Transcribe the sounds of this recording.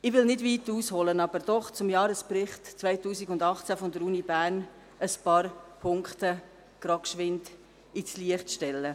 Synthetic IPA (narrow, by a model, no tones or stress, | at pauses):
ɪʋɪlnɪdviːtuːshɔlənɑb̥əɾd̥ɔχt͡sʊmjɑːɾəsprɪχtt͡svaɪtuːsiɡʊndɑχt͡sæfɔndəɾuːnibæːɾn | əspɑːɾpʰʊŋkχt̪ə | ɡ̥ɾɑːkʃʋɪnt | it͡sliəχtʃtɛlːə